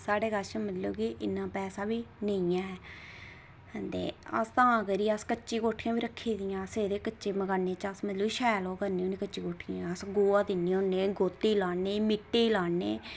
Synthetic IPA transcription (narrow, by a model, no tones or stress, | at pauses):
saːɽeːɡəɾt͡ʃəmət̪loːkiʔɪnːãːpɛːsaːbiːnə̃ːãːɦɛː | ənd̪ḛːə̰st̪ãːãkəɾiːəskəːt͡ʃiːkoːʈʰiːãːbiːɾəkʰːeːd̪ɪjãːəseːd̪eːkətːt͡ʃeːməɡaːneːt͡ʃəsmət̪loːiːʃɛːloːkəɾniːoːnĩːkət͡ʃːt͡ʃiːkoːʈʰiãəsɡoːaːd̪ɪnːiːoneːɡoːt̪ːeːlaːneːmɪʈːeːlaːnḛː